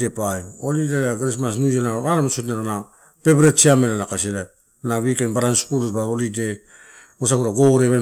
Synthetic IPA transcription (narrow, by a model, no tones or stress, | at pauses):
depajolidejaɡaɾis̬mas̬nud͡ʒenaaɾamsotneɾana | pe̞bɾetsiamenanakasilep̚ | naβikenbaɾanskuletbaolide | os̬akuɾaɡoɾeβe